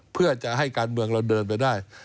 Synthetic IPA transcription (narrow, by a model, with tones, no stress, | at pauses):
pʰɯ˥˩ɐt͡ɕa˨˩ʔɦa˥˩jkaː˧nmɯ˧əŋlo˧ndɤː˧np̬a˧jdaː˥˩j